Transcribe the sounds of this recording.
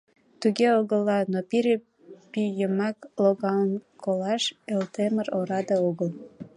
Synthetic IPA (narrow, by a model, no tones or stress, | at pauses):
t̪uɣeoɣəlːɑnopiɾe | pyjəmɑkloɣɑlənkʰolɑʃelt̪eməɾoɾɑd̪eoɣəl